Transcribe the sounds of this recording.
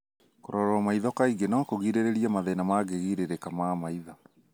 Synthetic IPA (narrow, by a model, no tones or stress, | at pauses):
koɾɔɾɔmaiðɔkaiɡenakoɣiɾeɾeɾiamaðɛnamaɡeɣiɾeɾekamamaiða